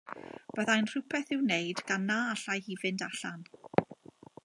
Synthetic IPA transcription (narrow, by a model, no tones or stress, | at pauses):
b̥əðajnr̥upʰɛθɪwnejdɡ̥anːaaɬajhivɨndaɬan